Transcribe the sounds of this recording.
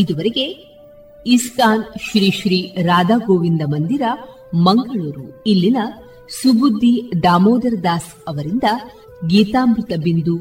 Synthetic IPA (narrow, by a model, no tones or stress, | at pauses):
id̪uʋɐɾeɡe̞ | iskaːnʃɾiːʃɾiːɾaːd̪aːɡoːʋind̪ɐmɐnd̪iɾɐ | mɐŋɡɐɭuːɾuilːinɐ | subud̪ʱːid̪aːmoːd̪ɐɾd̪aːs | ɐʋɐɾind̪ɐ | ɡiːt̪aːmbɾut̪ɐbind̪u